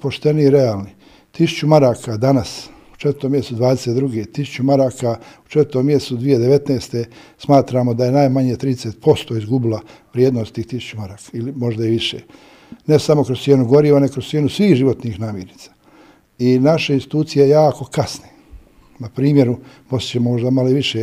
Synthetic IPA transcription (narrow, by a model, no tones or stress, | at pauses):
po̞ʃt̪e̞niiɾe̞aːlˠni | t̪isu̥t͡ʃumaɾaːkad̪anas | u̥t͡ʃe̞t̪ɾt̪oːmje̞st̪ud̪ʋaːd̪eset̪d̪ɾuɡet̪isu̥t͡ɕumaɾaːkau̥t͡ʃet̪ɾt̪omːje̞st̪ud̪ʋije̞d̪eʋe̞t̪neːst̪e̞smaːt̪ɾaːmod̪aje̞najmaɲet̪ɾiːd̪eseːt̪̚po̞st̪o̞ːizɡubilaʋɾjed̪nost̪iːxt̪isu̥t͡ɕumaɾaːkḁilimo̞ʒd̪aiʋiʃḛː | nesamo̞kɾossjeːnuɡo̞ɾiːʋaneokɾost̪jeːnusʋiːxʒiʋo̞t̪nixnaːmjeɾniḁ | inaʃeinst̪i̥t̪uːt̪sijeejaːko̞kasne | napɾiːmjeɾu | most̪t͡ɕemomoʒd̪amaloiʋiʃe